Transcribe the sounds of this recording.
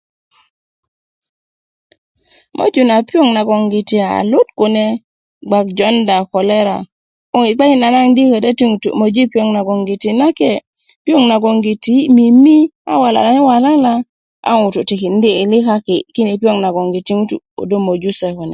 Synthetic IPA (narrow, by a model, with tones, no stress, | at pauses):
mʔo̰˦d͡ʒu˨na˨pi˦o˦ŋna˨ɡɔ˨ŋɡi˨ti˨a̰˨lu˦tku˨ne˦ | ɡ͡ba˨k̚d͡ʒɔ˦nda˨kɔ˨le˦ɾa̰˨ | o˦˨ŋi˨k͡pa˦i˦na˨na˦ŋdi˦ke˨da˦ti˦ŋu˨tṵ˨mo˨d͡ʒi˦pi˦o˨ŋna˨ɡɔ˨ŋɡi˨ti˨na˦ke˦ | pi˦o˦ŋna˨ɡo˨ŋɡi˨ti˦mi˨mi˦a̰˦wa˨la̰˨la˨ne˦wa˨la˦la˦ | a̰˦ŋu˨tu˨ti˨ki˨n˦diː˦˨li˦ka˦ki˨ki˦ni˨pi˦o˦ŋna˨ɡɔ˨ŋɡi˨ti˦ŋu˦tṵ˨o̰˨do˦mo˨d͡ʒu˦se˨ko˨nɛ̰˨